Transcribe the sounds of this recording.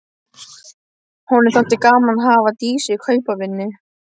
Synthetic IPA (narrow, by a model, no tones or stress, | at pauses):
hɔnɪθan̥t̪ɪkaːmanɦaːvat̪iːsɪkʰœːɥpavɪnːʏ